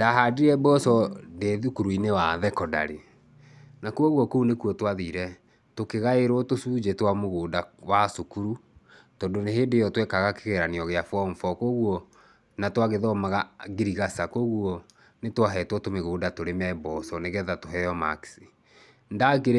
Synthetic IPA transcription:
d̥aɦadiɾɛbɔsɔdeðukuɾuinewaðɛkɔda̰ɾe | nakuɔɣwɔkounekuɔtwaðiɾɛ | tokeɣaeɾɔtosuːd͡ʒetwamoɣoːdawasokuɾu | tɔndoneɦeːdejɔtwɛkaɣakeɣeɾaneɔɣeafɔmfɔkoːɣwɔ | natwaɣeðɔmaɣaɡiɾiɣasakoːɣwɔ | netwaɦɛtwɔtomeɣoːdatoɾemɛbɔsɔneɣɛðatoɦɛjɔma̰ksi | ndakeɾ

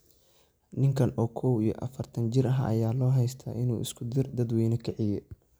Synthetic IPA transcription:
nɪŋkʰɐnɔːkʰɔwijɔʔɐ̰fɐrt̪ʰɐnt͡ʃɪrɐɦʔɐ̰jaːlɔːɦɛjst̪ʰa̰ːʔɪnuːʔɪskʰʊd̪ɪrd̪ɐd̪wɛːnɐkʰɐʕɪjɛ

